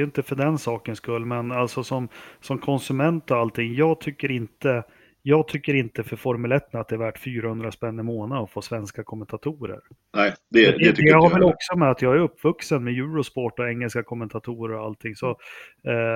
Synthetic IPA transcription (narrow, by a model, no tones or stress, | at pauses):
jɵnt̪əfœɖɛnsɑːkənskɵlːmɛnalt̪sɔsɔmsɔmkʰɔnsɵmɛnt̪ɔalt̪ʰɪŋːjɑːɡt̪ʰʏkːəɾɪnt̪ə | jɑːɡt̪ʰʏkːəɾɪnt̪əfœɾfɔɾmɵlɛt̪ːənat̪d̪ɛːɾvæːʈfyːɾahɵnd̪ɾaspɛnːɪmoːnad̪ɔfoːsvɛnskakʰɔmɛnt̪ʰat̪ʰuːɾə̰ɾ | nɛd̪ɛd̪ɛɛɛhaɾvɛlɔksɔmɛat̪jɑːɡæɾɵpːvɵksənmɛjʉ̟ːɾʊspɔʈːɔɛŋːəlskakʰɔmːɛnt̪ʰat̪ʰuːɾəɾɔalt̪ʰɪŋsɔ